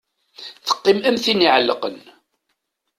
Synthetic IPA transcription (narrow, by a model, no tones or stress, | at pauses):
θə̥qːɪmæmθiniʕəlːəqə̰n